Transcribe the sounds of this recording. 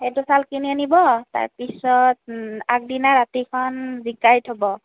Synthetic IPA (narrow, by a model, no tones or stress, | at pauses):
ɛtusalkiniɔnibɔta̰ɹpisɔt̚ak̚dinaɹatikʰɔnzikajitʰɔbɔ